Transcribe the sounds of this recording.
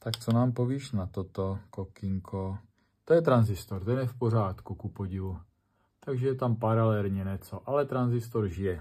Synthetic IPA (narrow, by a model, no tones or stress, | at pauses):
t̪akt͡sonaːmpoviːʃnat̪ot̪okokɪŋkʰo | t̪ojɛt̪ɾanzɪst̪oɾt̪ɛnɛfpor̝aːt̪kukupoɟɪvu | t̪aɡʒɛjɛt̪ampaɾalɛlɲɛnɛt͡soʔalɛt̪ɾanzɪst̪oɾʒɪjɛ